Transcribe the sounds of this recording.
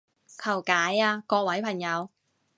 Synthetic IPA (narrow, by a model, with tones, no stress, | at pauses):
kʰɐ˨˩wkaː˨˥jaː˧kɔː˧k̚wɐ˨˥jpʰɐ˨˩ŋjɐ˨˧w